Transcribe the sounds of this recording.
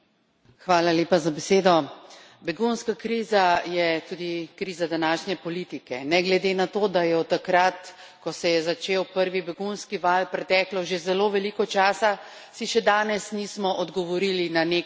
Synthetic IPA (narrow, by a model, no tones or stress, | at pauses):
xʋaːlaleːpazabɛseːd̪ɔ | bɛɡunskakɾiːzajɛt̪uːd̪ikɾiːzad̪anaːʃnjɛpɔliːt̪ikɛnɛɡlɛd̪enat̪od̪ajɛɔt̪ːakɾat̪ | kɔsɛjɛzat͡ʃeːwpəɾʋibɛɡunskiʋaːlpɾɛt̪ɛːklɔʒezɛloːʋɛlikɔt͡ʃaːsa | siʃɛd̪aːnɛsnismɔʔɔd̪ɡɔʋɔɾiːlinane